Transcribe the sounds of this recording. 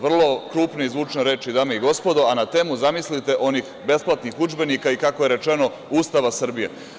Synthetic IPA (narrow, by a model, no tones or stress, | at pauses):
ʋr̩lˠo̞kɾuːpneizʋuːt͡ʃneɾe̞ːt͡ʃid̪aːmeiɡo̞spo̞d̪o̞anat̪e̞ːmuzamislit̪e̞ʔo̞niːxbe̞splˠat̪nixud͡ʒbe̞nikaikakoje̞ɾe̞t͡ʃe̞no̞ | uːst̪aʋasr̩bijḛ